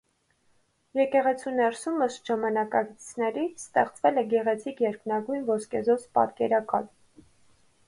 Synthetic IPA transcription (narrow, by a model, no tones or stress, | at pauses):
jɛkɛʁɛt͡sʰunɛɾsuməst̪ʒ̥ɑmɑnɑkɑɡt͡st͡sʰnɛɾist̪ɛχt͡svɛlɛɡɛʁɛt͡sʰikjɛɾknɑɡujnvɔskɛzɔt͡spɑ̰t̪kɛɾɑkɑ̰l